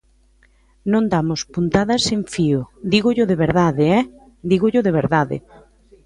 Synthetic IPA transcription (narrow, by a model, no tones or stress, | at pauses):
nõnd̪amʊspunt̪aðɐseɱfiʊd̪iɣʊʎʊðeβeɾðaðeɛ | d̪iɣʊʎʊðeβ̞eɾðaðḛ